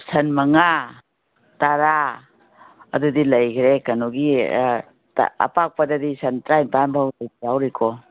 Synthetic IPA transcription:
sɐnmɐŋa | taɾa | ɐdudilɐjkʰɾekɐnuɡi | ta̰ɐ̰pak̚padɐdisɐntɾajnpanbʰawlajjawɾikʰɔ

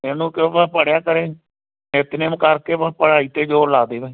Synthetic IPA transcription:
eːnũːkõːpəpəɽejaːkəɾeː | ɪt̪neːmkəɾkeːpəpəɽaːiːt̪eːd͡ʒoːlaːd̪eːʋeː

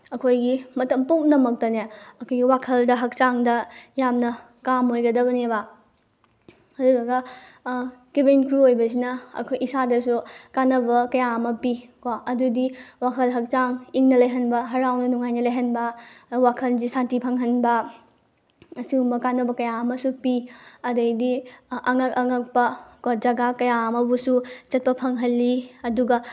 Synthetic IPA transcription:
ɐkʰojɡimɐtɐmpuknɐmɐk̚tɐneɐkʰojɡiwakʰɐldɐɦɐk̚t͡ʃaŋdɐjamnɐ | kamojɡɐdɐbɐneba | ɐduɡɐɡɐ | ɡ̥ibenkɾuojbɐs̬inɐɐ̰kʰojisadɐsukanɐbɐkɐjaɐmɐpikoɐdudiwakʰɐlɦɐk̚t͡ʃaŋiŋnɐlɐjɦɐnbɐɦɐɾawnɐnuŋajnɐlɐjɦɐnbɐwakʰɐnzisantipʰɐŋɦɐnbɐ | ɐsiumbɐkanɐbɐkɐjaɐmɐsupiɐdɐjdiʔɐŋɐkɐŋɐk̚pɐkod͡ʒɐɡakɐjamɐbusut͡ʃɐt̚pɐpʰɐŋɦɐlːiɐduɡɐ

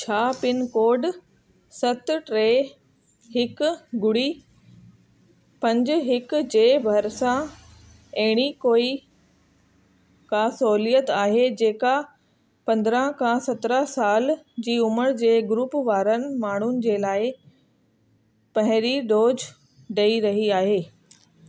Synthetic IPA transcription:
t͡ɕʰaːpɪnkoːɖ | sɐt̪ʈɾeː | ɦɪkɡʊɽiː | pɐ̃ɲd͡ʑʊ̆ɦɪkd͡ʑeːbʱɐɾsã | ɐɦɪɽ̃ikoːi | kaːsoːlijət̪aːɦed͡ʑeːka | pɐ̃nd̪ɾə̃ɦkʰãsɐt̪ɾəsaːld͡ʑiːʊməɾd͡ʑeːɡɾuːpʋaːɾənɪ̆maːɳ̤ʊnɪ̆d͡ʑeːlaːɪ | pɐɦɪ̃ɾiɖoːd͡ʑ | ɖeiɾɐɦiaːɦeː

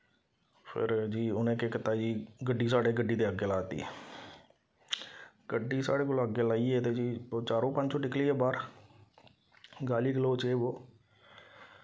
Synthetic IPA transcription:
pʰɪ̰ɾd͡ʒiːʊnẽːkeːkət̪ːaːd͡ʒiːɡəɖːiːsaːɽeːɡəɖiːd̪eːəɡeːlaːt̪ḭː | ɡ̥əɖːiːsa̰ːɽeːkoːloːəɡeːlaːiːeːt̪eːd͡ʒiːt͡ʃaːɾõːpə̃ɲd͡ʒt͡ʃõːʈɪkliːɛːbaːɾ | ɡaːliːɡəloːt͡ʃeːboː

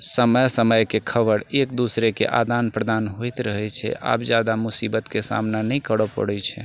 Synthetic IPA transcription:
səməjsəməjkekʰəbəɾek̚d̪usɾekḛʔa̰d̪anpɾəd̪anɦojt̪ɾəɦɛt͡ʃʰɛ̰ʔa̰pd͡ʒad̪amusibət̪kesa̰mnanɛjkəɽəpə̰ɽɛt͡ʃʰɛ̰

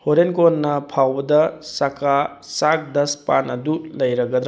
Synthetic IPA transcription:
hoɾenkonnːɐpʰawbɐdɐsɐka | sak̚dɐspanɐdulɐjɾɐɡɐd̪ɾa

